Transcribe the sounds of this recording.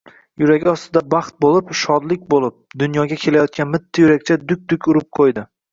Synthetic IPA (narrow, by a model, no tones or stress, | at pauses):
jʊɾaɡʲɪɒst̪ɪd̪abɑχt̪̚bolˠɪpʃɒd̪lɪkʲbolˠɪp̚d̪ʊnjɒɡʲakʲʰe̞lajɒt̪̚kʲanmɪt̪ʰːajʊɾakʲt͡ʃʰad̪ʊk̚ʲd̪ʊkʲʊɾɪp̚qʰojd̪ɪ